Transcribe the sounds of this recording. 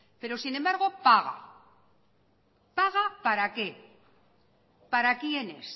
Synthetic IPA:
pe̞ɾo̞sinẽ̞mbaɾɣ̞o̞paɣ̞a̰ | paɣapaɾake̞ | paɾakje̞ne̞̰s

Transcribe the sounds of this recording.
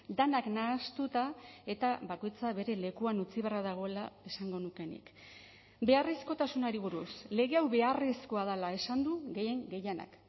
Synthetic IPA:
d̪anaknaːst̪ut̪ae̞t̪aβako̞jt͡saβe̞ɾe̞le̞kuanut͡siβearaðaɣ̞o̞e̞lae̞saŋɡo̞nuke̞nḭk | be̞arisko̞t̪asunaɾiβ̞uɾṵsle̞ɣe̞awβe̞arisko̞aðalae̞sand̪uɣe̞je̞ŋɡe̞jana̰k

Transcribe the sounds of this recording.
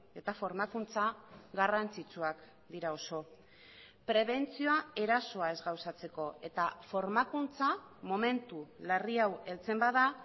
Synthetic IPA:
e̞t̪afo̞ɾmakunt͡saɣarant͡sit͡suak | d̪iɾao̞so̞ | pɾe̞βe̞nt͡sio̞ae̞ɾaso̞ae̞zɣawsat͡se̞ko̞e̞t̪afo̞ɾmakunt͡sa | mo̞me̞nt̪ulariawe̞lt͡se̞mbaða

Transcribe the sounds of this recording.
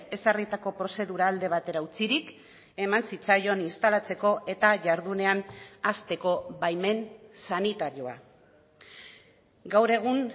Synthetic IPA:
e̞sarit̪ako̞pɾo̞se̞ðuɾaːld̪e̞β̞at̪e̞ɾaut͡siɾik | e̞mansit͡sajo̞ninst̪alat͡se̞ko̞ʔe̞t̪aʝaɾðune̞anast̪e̞ko̞βajme̞nsanit̪aɾio̞a | ɡawɾe̞ɣ̞uŋ

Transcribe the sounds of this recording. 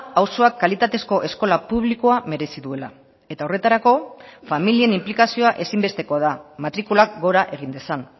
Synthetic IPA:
awso̞akːalit̪at̪e̞sko̞ʔe̞sko̞lapuβ̞liko̞ame̞ɾe̞siðue̞la | e̞t̪ao̞re̞t̪aɾako̞familie̞nimplikasio̞aʔe̞simbe̞st̪e̞koaðamat̪ɾikulakɡo̞ɾaʔe̞ɣ̞ind̪e̞san

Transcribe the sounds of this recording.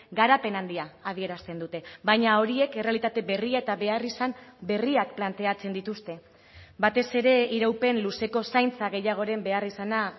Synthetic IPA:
ɡaɾape̞nand̪iaːð̞ie̞ɾast̪e̞nd̪ut̪e̞βajɲao̞ɾie̞ke̞re̞alit̪at̪e̞βe̞riae̞t̪aβe̞arisambe̞riakplant̪e̞at͡se̞nd̪it̪ust̪e̞ | bat̪e̞se̞ɾe̞iɾawpe̞nluse̞ko̞sajnt͡saɣ̞e̞jaɣ̞o̞ɾe̞mbe̞arisana

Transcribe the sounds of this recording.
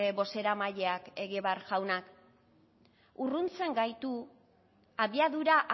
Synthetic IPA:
eβo̞se̞ɾamaʎe̞ake̞ɣiβarʝawnak | urunt͡se̞ŋɡajt̪u | aβiaðuɾaʔ

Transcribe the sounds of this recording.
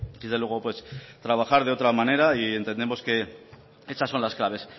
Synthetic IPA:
d̪ezðelwe̞ɣ̞o̞pwe̞st̪ɾaβ̞axaɾðeo̞t̪ɾamane̞ɾaie̞nt̪end̪e̞mo̞ske̞ | e̞sasːo̞nlasklaβe̞s

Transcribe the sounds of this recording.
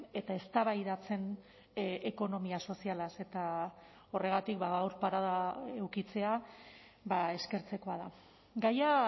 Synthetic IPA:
e̞t̪ae̞st̪aβajðat͡se̞n | eko̞no̞miaso̞sialase̞t̪a | o̞re̞ɣ̞at̪ikbaɣawɾpaɾaðaewkit͡se̞a | bae̞ske̞ɾt͡se̞ko̞aða | ɡaja

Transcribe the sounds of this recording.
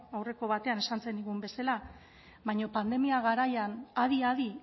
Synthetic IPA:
awre̞ko̞βat̪e̞ane̞sant͡se̞nd̪iɣumbe̞sela | βaɲo̞pand̪e̞miaɣ̞aɾajanaðiaði

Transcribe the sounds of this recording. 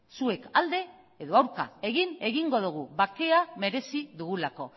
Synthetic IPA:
sue̞kald̪e̞ | eðo̞awɾka̰e̞ɣine̞ɣiŋɡo̞ðuɣ̞uβake̞ame̞ɾe̞siðuɣulako̞

